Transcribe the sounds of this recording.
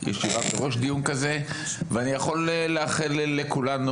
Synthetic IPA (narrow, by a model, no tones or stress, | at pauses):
jɛ̰ʃivabeʁo̞ʃd̪ijunkaze̞ | veanijaχo̞leleaχilːekulanu